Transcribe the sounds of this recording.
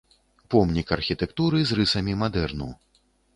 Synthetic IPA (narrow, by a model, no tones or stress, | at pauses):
pɔmnʲikɐrxʲit̪ɛkt̪uɾɨzrɨsɐmʲimad̪ɛrnṵw